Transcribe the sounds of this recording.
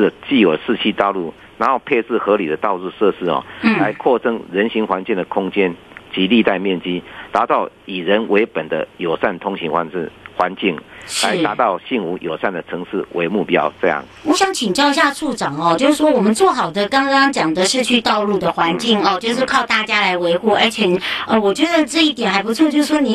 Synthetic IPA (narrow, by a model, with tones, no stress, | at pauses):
t͡ɕi˥˩jo˨˩ʊʂɻ̩˥˧t͡ɕʰi˥˧t̪ɑ˥˧ʊlu˥˩ | na˧˥xo˥˧ʊpʰe˥˧ɪt͡sɹ̩˥˩xɤ˧˥li˨˩d̪ə˦t̪ɑ˥˧ʊt͡su˥˧ʂɤ˥˧ʂ̩˥˩ɔ̰˨˩˥la˧˦ɪkʰwɔ˥˧t͡sə˥ŋɻə˧˦˥nɕi˧˥ŋxwa˧˦nt͡ɕi˥˩ŋd̪ə˩kʰʊ˥ŋt͡ɕjɛ˦˥nt͡ɕi˧˥li˥˧t̪a˥˧ɪmjɛ˥˨nt͡ɕi˥t̪a˧˥t̪ɑ˥˩ʊi˨˩ɻə˦nwe˧˥ɪpə˨˩nd̪ə̰˦jo˨˩ʊsa˥˩nt̪ʰʊ˥ŋɕi˧˥ŋxwa̰˧˥n̩˥˩xwa˧˦nt͡ɕi˥˩ŋʂla̰˧˦ɪ˧a˧˥t̪ɑ˥˧ʊɕi˥˩nu˧˥jʔo˨˩ʊsa˥˩nd̪ə˩t͡sʰɤ˧˥ŋʂɻ̩˥˩wʔe˧˥ɪmu˥˩pjɑ˥˦ʊt͡sɤ˥˧jɑ̰˥˩ŋwɔ˧˥ɕjɑ˧˥ŋt͡ɕʰi˨˩ŋt͡ɕjɑ˥˩ʊi˧˥ɕja˥˧ʂʰu˥˩ʈ͡ʂɑ˨˩ŋɔ˧t͡ɕjo˥˧ʊʂɻ̩˥˩ʂwɔ˥wɔ˨˩mə˨˦nt͡swɔ˥˩xɑ˨˩ʊd̪ə˦kɑ˥ŋkɑ˥ŋt͡ɕjɑ˨˩ŋd̪ə˦ʂɻ̩˥˧t͡ɕʰy˥˧t̪ɑ˥˧ʊlu˥˩d̪ə˩xwa˧˥nt͡ɕi˥˩ŋɔ˨˧t͡ɕjo˥˧ʊʂɻ̩˥˧kʰɑ˥˧ʊt̪a˥˩t͡ɕja˥la˧˥ɪwe˧˥ɪxu˥˩ə˞˧˥t͡ɕʰjɛ˨˩˨ə˧wɔ˨˩t͡ɕɥɛ˧˥d̪ə˨ʈ͡ʂɤ˥˧i˥˩t̪jɛ˨˩nxa˧˥ɪp̬u˧˥t͡sʰwɔ˥˧t͡ɕjo˥˧ʊʂ̩˥˩ʂwɔ˥ni˨